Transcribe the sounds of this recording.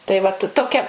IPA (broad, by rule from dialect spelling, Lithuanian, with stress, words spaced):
tɐɪ ʋɐt toːˈkʲɛ